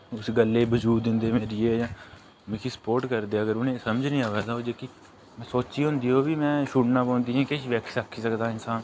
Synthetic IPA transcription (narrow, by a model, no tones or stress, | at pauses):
ʊsɡəlːeːbəd͡ʒuːɪ̃nd̪eːmeːɾiːeːjãː | mɪ̃kʰisə̥poːɾʈkəɾd̪eːəɡəɾʊnẽːsəməd͡ʒnĩːaʋaːd̪aːoːd͡ʒeːki | mɛ̃ːsoːt͡ʃiːɦʊ̃nd̪iːɦoːʋiːmɛ̃ːʃuːʈnaːpõːnd̪iːɦɛ̃ːkeʃʋɛːksəkʰːiːsəkd̪aːɪnsaːn